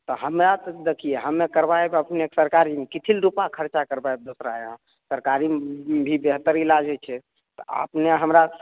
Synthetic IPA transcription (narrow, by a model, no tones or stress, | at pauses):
t̪ɔɦəmɾat̪ɔd̪ekʰijeɦəmːekəɾbaebəpneksəɾkaɾimekit̪ʰilɾupakʰəɾt͡ʃakəɾbaeb̚d̪osɾaeɦ | səɾkaɾimbʱibeɦt̪əɾilad͡ʒɛt͡ʃʰɛ | t̪ɔə̰pneɦəmɾa